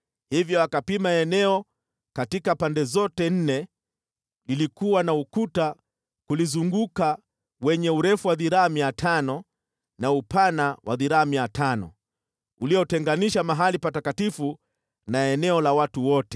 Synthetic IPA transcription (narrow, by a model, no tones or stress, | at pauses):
hivjɔakapimaɛnɛɔ | katikapandɛzɔtɛn̩nɛ | lilikuwanaukuta | kulizuŋɡuka | wɛɲɛuɾɛfuwaðiɾaːmiatʰanɔ | naupanawʔa̰ðiɾaːmiatʰanɔ̰ | uliɔtɛŋɡaniʃamaɦalipatakatifu | naɛnɛɔlawatuwɔtɛ̥